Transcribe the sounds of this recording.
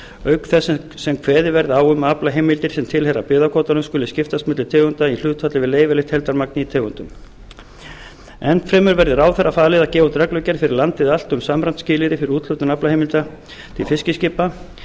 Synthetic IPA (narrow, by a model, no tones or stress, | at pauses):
œɥkθɛsː | sɛmkʰvɛːðɪvɛɾðɪaːwʏmaplaɦejmɪlt̪ɪɾ̥sɛmt̪ʰɪlɦɛɾa̰pʏːðakʰoːt̪anʏmskʏlːʏscɪft̪asmʏːt̪lɪt̪ʰeːɣʏnt̪ail̥ʏːt̪ʰat̪lɪvɪðleːjvɪlɪht̪hɛlt̪aɾmaknɪit̪ʰeːɣʏnt̪ʏm | ɛnt̪fɾɛːmʏɾvɛɾðɪɾaːwθɛrːafaːlɪðacɛːvat̪ɾɛklʏcɛɾ̥fɪɾɪɾlant̪ɪðal̥t̪ʏmsamɾant̪scɪːlɪɾɪfɪɾɪɾuːt̪lʏt̪ʏnaplahejmɪlt̪a | t̪ʰɪlfɪscɪscɪpːa